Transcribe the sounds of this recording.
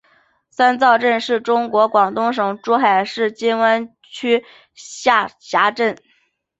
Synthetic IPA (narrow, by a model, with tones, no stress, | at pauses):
sa˥nt͡sɑ˥˧ʊʈ͡ʂə˥˧nʂɻ̩˥˩ʈ͡ʂʊ˥ŋkwɔ˧˥kwɑ˨˩ŋt̪ʊ˥ŋʂ̬ɤ˨˩ŋʈ͡ʂu˥xa˨˩ɪʂɻ̩˥˩t͡ɕi˥nwə˥n | t͡ɕʰy˥ | ɕa˥˩ɕja˧˥ʈ͡ʂə˥˩n